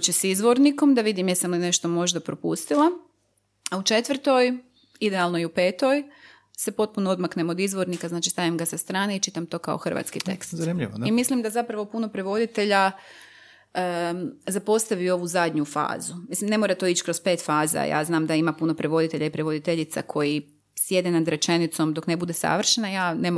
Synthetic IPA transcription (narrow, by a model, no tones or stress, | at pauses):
t͡ɕesizʋo̞ɾniko̞md̪aʋid̪imjesamline̞ʃt̪o̞mo̞ʒd̪apɾopṵst̪ilˠa | aut͡ʃe̞t̪ʋrt̪o̞j | id̪ealˠno̞iupe̞ːt̪o̞j | sepo̞t̪̚punood̪maknemod̪izʋo̞ɾnikaznaːt͡ʃi̥st̪aʋimɡasast̪ɾaːneit͡ʃit̪amt̪o̞ːkaoxr̩ʋa̰t̪skit̪e̞̰kstznimʎḭʋo̰imislimd̪azapɾaʋo̞puno̞pɾe̞ʋo̞d̪it̪e̞ʎa | zapo̞st̪aʋio̞ʋuzad̪ʲɲufa̰ːzumislimne̞moːɾat̪oit͡ɕkɾo̞speːt̪faːza̰ja̰ːznaːmd̪aimapuno̞pɾeʋo̞d̪it̪e̞ʎaipɾeʋo̞d̪it̪e̞ʎit̪sa̰kʰo̞ji | sje̞d̪enad̪ɾe̞t͡ʃe̞nit̪so̞md̪o̞kne̞bud̪esa̰ʋr̩ʃenajaːne̞mo